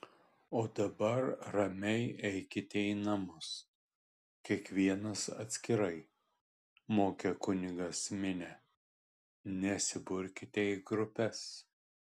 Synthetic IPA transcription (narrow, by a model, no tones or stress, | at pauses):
oːd̪ɐbɐɾɾɐmʲɛɪɛɪkʲɪt̪ʲɛɪnɐmʊs | kʲiɛkʋʲiɛnɐsɐ̰t̪ʲsʲkʲɪɾɐɪ | moːkʲɛkʊnʲɪɡɐsmʲɪnʲɛ | nʲɛsʲɪbʊɾʲkʲɪt̪ʲeɡɾʊpʲɛs